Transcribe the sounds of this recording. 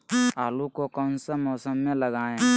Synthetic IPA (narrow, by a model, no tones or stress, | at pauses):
aːlukokənsəmɔːsəmːẽləɡaːẽ